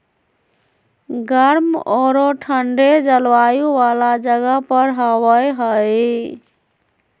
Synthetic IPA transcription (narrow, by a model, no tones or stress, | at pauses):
ɡəɾmɔɾoʈʰəɳɖed͡ʒəlʋajuʋalad͡ʒəɡəpəɾɦəwəjɦəj